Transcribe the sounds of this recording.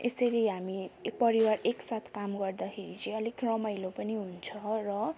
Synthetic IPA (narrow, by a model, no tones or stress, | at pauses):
esʌɾiɦamikpʌɾiwareksat̪ʰkamɡʌrd̪akʰeɾit͡sʌj̃ʌlikrʌmajlopʌniɦunt͡sʰʌrʌ